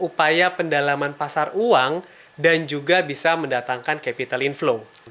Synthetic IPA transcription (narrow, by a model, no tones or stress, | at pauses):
upajapəndalamanpasaruaŋ | dand͡ʒuɡabisaməndat̪aŋkankapit̪alinfloŋ